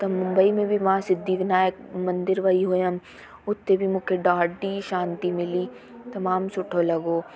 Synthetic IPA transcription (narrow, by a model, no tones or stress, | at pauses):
t̪ɐmʊ̃mbəimẽbʱiʋaãsɪd̪ʱːiːknaːjəkmɐ̃nd̪ɪɾʋɐiɦoːjam | ʊt̪ʰːebʱimʊkʰeɖaːɖiʃãːnt̪imɪliː | t̪ɐmaːmsʊʈʰolɐɡoː